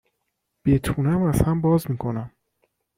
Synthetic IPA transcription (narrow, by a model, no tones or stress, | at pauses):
b̥et̪ʰunæmæz̥hæmbɒːzmiːkʰo̞næm